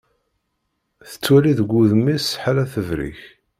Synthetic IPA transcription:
θə̥t͡sːwæliðɡʷːuðəmːisħalæθəvɾḭç

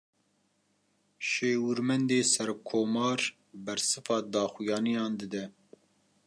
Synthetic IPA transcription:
ʃeːwɨɾmɛnd̪eːsɛɾkʰoːmɑːɾ | bɛɾsɨfɑːd̪ɑːxujɑːnijɑːnd̪ɨd̪ɛ

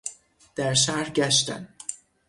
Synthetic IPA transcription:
d̪̥æɾʃ̬æhɾɟæʃt̪æ̰n

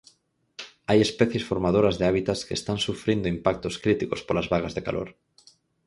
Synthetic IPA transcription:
ajespɛθjesfoɾmað̞oɾɐzðeaβit̪askḛːst̪ansufɾind̪oimpak̚t̪oskɾit̪ikospolazβaɣazðekalʔo̰ɾ

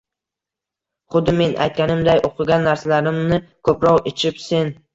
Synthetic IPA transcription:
χʊd̪ɪme̞nʔa̰jt̪̚kʲanɪmd̪ajʔoqʰɨɡʲanːaɾsalaɾɪmnɪkʰɵpɾɒʁet͡ʃʰɪpse̞n

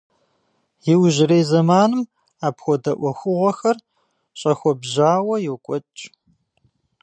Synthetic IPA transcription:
jɪwʒɪɾejzɐmaːnɨm | aːpxʷɔdɐʔʷɔxʷʊʁʷɔxɐr | ɕʼɐxʷɔbʑaːwɐjɛwkʷʼɔt͡ʃʼ

